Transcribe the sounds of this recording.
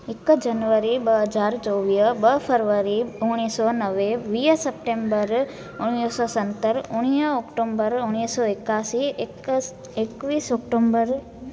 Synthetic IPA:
ɪkd͡ʒɐnʋəɾibəɦəd͡ʒaːɾt͡ʃɔːʋiːəbəɦpʰəɾʋəɾiʊɽ̃isɔnəʋeʋiːəsɐp̚ʈẽmbəɾ | ʊñisɔːsɐnt̪əɾʊɽ̃ijəɔkʈoːmbəɾʊɽ̃iːsɔɪkaːsi | ekʋiːsɔːkʈoːmbəɾ

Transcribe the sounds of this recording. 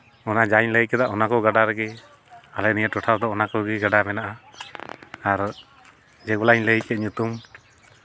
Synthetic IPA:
ɔnad͡ʒaɲləjkɛd̪aʔɔnakɔɡaɖaɾɛɡɛ | alɛnijaʈɔʈʰaɾd̪ɔɔnakɔɡiɡaɖamɛnaʔa | aɾ | d͡ʒɛɡɔlaɲləjkɛt̪̚ˀɲut̪um

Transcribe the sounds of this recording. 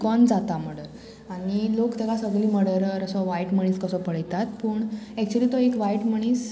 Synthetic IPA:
kɔnd͡zat̪am̤əɽə | aɽ̃ilokd̪əɡasəɡliːməɽəɾɾəsɔʋajʈməɳ̃iːskəsɔpəɭəjt̪at̪pəːɳɛk̚t͡ɕuəliːt̪ɔekʋajʈməɳ̃iːs

